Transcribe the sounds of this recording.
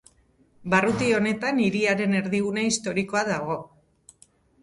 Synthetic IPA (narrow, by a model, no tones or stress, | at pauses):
barut̪io̞ne̞t̪aniɾiaɾe̞ne̞ɾðiɣunaist̪o̞ɾiko̞aðaɣ̞o̞